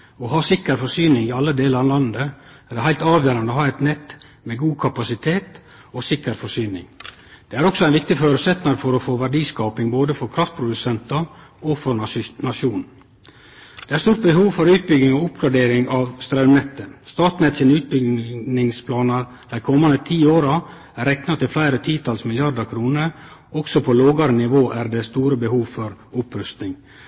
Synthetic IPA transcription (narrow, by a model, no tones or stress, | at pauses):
ɔɦɑːsɪkːəɾfɔʂyːnɪŋɪɑlːəd̪eːləɾɑlɑnd̪əæːɖɛɦæɪt̪ɑːʋjøːɾɑnd̪əoːhɑːɛt̪nɛt̪ | meːɡuːkʰɑpɑsɪt̪ʰeːt̪ | osɪkːəɾfɔsyːnɪ̰ŋ | d̪̥ɛæːɾɔksɔæɪnʋɪk̚t̪ɪføːɾʉsɛt̪nɑɾfɔɾɔfoːʋæɖiːskɑːpɪŋboːd̪əfɔɾkʰɾɑft̪̚pʰɾʊd̪ʉsɛnt̪ɑɔfɔɾnɑnɑʃuːnn̩ | d̪̥eːæɾst̪uːɾʈ̪t̪̚bəɦuːʋfɔɾʉːt̪̚bʏɡɪŋɔʊpɡɾɑɖeːɾɪŋɑʋst̪ɾɑʉnɛt̪ːəst̪ɑːt̪nɛt̪sənʉːt̪̚bʏɡnɪŋspʰlɑːnɑ | d̪̥æɪkʰɔmːɑnət̪ʰiːoːɾɑ | æɾɛknɑt̪ɪlflæɪɾət̪ʰiːt̪ʰɑlsmɪlɪɑɾd̪əɾkʰɾuːnəɾɔksɔpʰɔloːɡɑɾənɪʋoːʔæɾd̪ɛst̪uːɾəbəhuːʋfɔɾʊpɾʉst̪nɪŋ